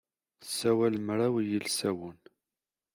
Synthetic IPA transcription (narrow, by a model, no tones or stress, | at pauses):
θəsːæwælmɾˤawjəlsæwʊn